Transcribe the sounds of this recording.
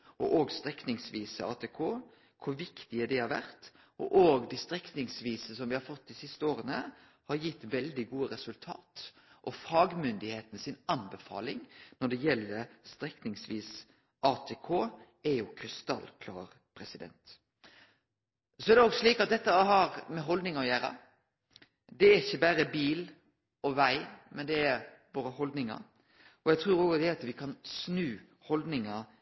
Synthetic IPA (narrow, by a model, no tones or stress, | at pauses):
ʔɔʔoːɡst̪ɾɛknɪŋsʋiːsəɑ̰ːt̪ʰekʰoː | kʰʊɾʋɪkt̪ɪæd̪ɛhɑɾʋæ̰ɾt̪ | ɔ̰ʔoːɡd̪æst̪ɾɛknɪŋsʋiːsəsɔmʋɪhɑɾfɔt̪ːd̪ɪsɪst̪əoːɾənə | hɑɾjɪt̪ːʋɛld̪ɪɡuːəɾɛsʉlt̪ʰɑ̰ːt̪ | ʔɔfɑːɡmʏnd̪ɪheːt̪ənəsɪnɑnbəfɑ̰ːlɪŋnɔɖɛjɛlːəɾst̪ɾɛknɪŋsʋiːs | ʔɑːt̪ʰeːkʰoː | ɛjʊkʰɾɪst̪ɑ̰lkʰlɑ̰ːɾ | pʰɾɛsɪd̪ɛ̰nt̪ | sɔɛɾd̪ɛoːɡsliːkɑt̪̚d̪ɛt̪ːəɦɑɾmɛɦɔld̪nɪŋɑɔjæːɾɑ̰ | d̪ɛæɾɪçːəbæɾəbiːl | ɔʋæɪmɛnd̪ɛæɾboːɾəhɔld̪nɪŋɑ̰ | ɔjæɡt̪ʰɾʉːɾoːɡd̪ɛɑt̪ʋɪkʰɑnsnʉː | hɔld̪nɪŋɑ